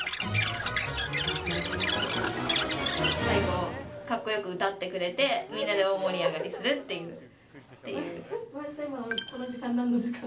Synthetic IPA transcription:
saɾiɡo̞kakːo̞jo̞kɯ̟ɯt̪at̪ːe̞kɯ̟ɾe̞t̪e̞mʲĩnːad̪e̞omo̞ɾʲiaɡaɾʲisɨɾɯ̟t̪ːe̞jɯ̟ː | t̪ːe̞jɯ̟̰ːmasaimatanaʑikãnːãnd̪eska

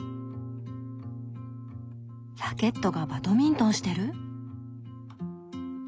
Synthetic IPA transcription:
sake̞t̪ːo̞ɡabat̪o̞mʲĩnt̪õ̞ɰ̃ɕi̥t̪e̞ɾɯ̟

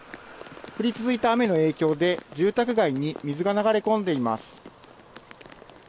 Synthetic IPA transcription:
ɸɯ̟ɾʲit͡sɨzɨit̪aːme̞no̞e̞ːkʲo̞ːd̪e̞d͡ʑɨːt̪akɯ̟ɡaiɲ̟imʲizɨɡanaɡaɾe̞kõ̞nd̪e̞ima̰sɨ̥

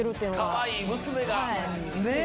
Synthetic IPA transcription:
eɾɯt̪ːejɯnokaβaiːmɯsɨme̞ɡaa | ne

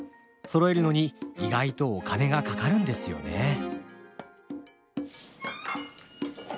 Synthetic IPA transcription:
so̞ɾo̞eɾɯ̟no̞ɲ̟iːɡait̪o̞ːkane̞ɡakakaɾɯ̟̃nd̪e̞sɨjo̞̰ne̞

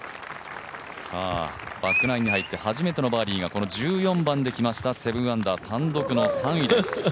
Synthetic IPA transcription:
sa̰ːb̥akɯ̟naiɲ̟ːihait̪ːe̞haʑime̞t̪e̞no̞baːɾʲiːɡako̞no̞d͡ʑɨːjõ̞mbãnd̪e̞kʲimaɕi̥t̪ase̞bɯ̟̃ãnd̪at̪ʰãnd̪o̞kɯ̟no̞sãɰ̃id̪esɨ̥

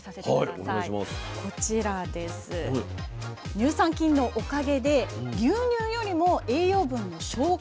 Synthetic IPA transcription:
sasehaio̰nama̰skʰo̞t͡ɕiɾad̪e̞sɨ | ɲ̟ɨːsãŋkʲĩnːo̞ʔokaɡe̞d̪e̞ɡʲɨːɲ̟ʲɨːjo̞ɾʲimo̞e̞ːjo̞ːbɯ̟̃nːo̞ɕo̞ː

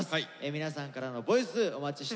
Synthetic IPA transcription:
semʲinasãŋkaɾano̞bo̞isɨo̞mat͡ɕiɕi̥

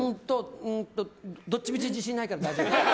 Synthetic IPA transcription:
õnt̪oɯ̃nt̪od̪ot͡ɕːibʲit͡ɕid͡ʑĩɕ̬iɲiːnaikaɾad̪aid͡ʑ

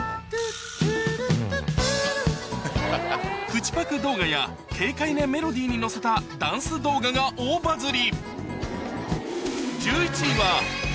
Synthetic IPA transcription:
kɯ̟t͡ɕi̥pakɯ̟d̪o̞ːɡaja | kʰe̞ːkaine̞me̞ɾo̞d̪ʲiːɲ̟ino̞se̞t̪ad̪ãɰ̃sɨd̪o̞ːɡaɡaʔoːbazɨɾʲi | d͡ʑɨːit͡ɕiβa

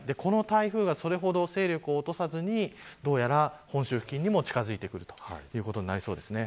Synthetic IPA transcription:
d̪e̞ko̞no̞t̪aiɸɯ̟ːɡaso̞ɾe̞ɦo̞d̪o̞se̞ːɾʲo̞kɯ̟oːt̪o̞sazɨɲ̟id̪o̞ːjaɾahõ̞ɕɨːɯ̥kʲĩɲ̟ːimo̞t͡ɕi̥kazɨit̪e̞kɯ̟ɾɯ̟t̪o̥hjɯ̟ːko̞t̪o̞ɲinaɾiso̞ːd̪e̞sɨne̞

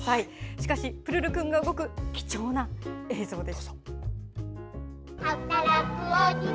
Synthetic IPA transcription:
saiɕi̥kaɕipɯ̟ɾɯ̟ɾɯ̟kɯ̟̃ŋɡaɯ̟ɡo̞kɯ̟kʲi̥t͡ɕo̞ːnae̞ːzo̞ːd̪e̞sḁ | hat̪aɾakɯoɲi

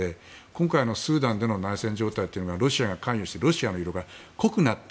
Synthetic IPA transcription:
e | kõŋkaino̞sɨːd̪ãnd̪e̞nonaisẽ̞ɲ̟d͡ʑo̞ːt̪ait̪ːe̞iɯ̟noɡaɾo̞ɕiaɡakãɰ̃joɕi̥t̪eɾo̞ɕianoiɾo̞ɡako̞kɯ̟nat̪ː

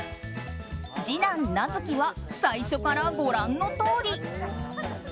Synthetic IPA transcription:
d͡ʑinãnːazɨkʲiβasaiɕo̞kaɾaɡo̞ɾãnːo̞t̪o̞ːɾʲi

